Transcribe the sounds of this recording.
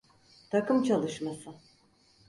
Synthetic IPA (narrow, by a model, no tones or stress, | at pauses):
t̪ʰakɯmt͡ʃʰalˠɯʃmasɯ